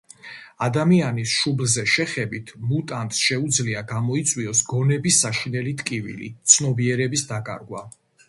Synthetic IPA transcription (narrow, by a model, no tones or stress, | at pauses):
ad̪amianisʃublzɛʃɛχɛbit̪ʰmut̪ʼant̪sʃɛud̪zliaɡamɔit̪sʼwiɔsɡɔnɛbisːaʃinɛlit̪ʼkʼivḭlḭt̪sʰnɔbiɛɾɛbisd̪akʼa̰ɾɡwa̰